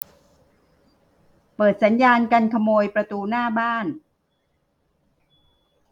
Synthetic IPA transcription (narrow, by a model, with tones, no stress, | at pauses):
pɤː˨˩t̪̚sa˩˦njaː˧nka˧nkʰa˧moː˧jpɾa˧t̪uː˧naː˥˩baː˥˩n